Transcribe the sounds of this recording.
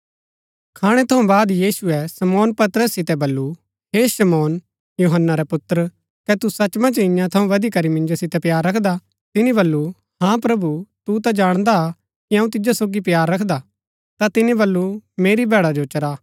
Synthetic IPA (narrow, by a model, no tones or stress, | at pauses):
kʰaːɽ̃ɛt̪ʰɐũbaːd̪jiːsuɛsɐmɔːnpɐt̪ɾəsːɪt̪ɛbɐlːu | ɦeːsɐmɔːn | juɦənːaɾɛpʊt̪ɾə | kɛt̪usɐt͡ʃmãt͡ʃɐɪ̃jãt̪ʰɐũʋɐd̪ikɐɾimɪ̃nd͡ʒosɪt̪ɛpjaːɾːɐkʰd̪a | t̪ɪnĩbɐlːu | hãpɾɐbut̪ut̪ad͡ʒaːɽ̃d̪a | kiɐ̃ũt̪ɪd͡ʒasoːɡipjaːɾːɐkʰd̪a | t̪at̪ɪnĩbɐlːumeːɾibʱɛːɽad͡ʒot͡ʃɐɾaː